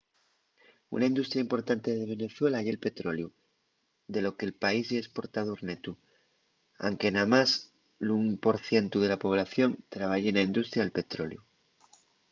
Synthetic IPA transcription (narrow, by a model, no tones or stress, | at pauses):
ṵnaind̪ust̪ɾjaimpo̞ɾt̪ant̪eðe̞β̞e̞ne̞θwe̞lajelpe̞t̪ɾo̞lju | d̪e̞lo̞ke̞lpaiseːspo̞ɾt̪aðoɾne̞t̪u | a̰ŋke̞namas | lumpo̞ɾθje̞nt̪uðe̞lapo̞β̞laθjo̞nt̪ɾaβ̞aʝenaind̪ust̪ɾjaelpe̞t̪ɾo̞̰lju